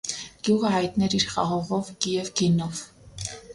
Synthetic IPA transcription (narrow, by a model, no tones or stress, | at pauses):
ɡ̥juʁəhɑjt̪nɛɾiɾχɑʁɔʁɔvɡ̥ijɛvɡinɔv